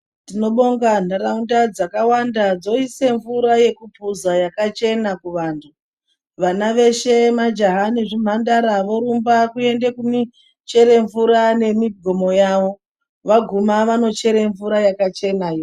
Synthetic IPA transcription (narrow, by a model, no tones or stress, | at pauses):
tino̞ɓo̞ŋɡan̤daɾaundad͡zakawandad͡zo̞ise̞ɱvuɾaje̞kupuzajakat͡ʃe̞nakuʋaːntʰu | ʋanaʋe̞ʃe̞mad͡ʒaɦaneʐim̤andaɾaʋo̞ɾumbakue̞nde̞kumi | t͡ʃe̞ɾe̞ɱvuɾane̞miɡʱomo̞jaʋo̞ | ʋaɡʱumaʋano̞t͡ʃe̞ɾe̞ɱvuɾajakat͡ʃe̞najo